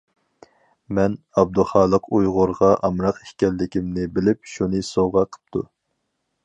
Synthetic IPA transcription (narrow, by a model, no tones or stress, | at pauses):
mɛn | ɑb̚d̪uχɑːlˠəqujʁʊɾʁɑʔɑmɾɑqeʃkʲɛlːɪkʲimnɪbɪlɪp̚ʃunɨsoʁɑqʰə̥p̚t̪ʰṵ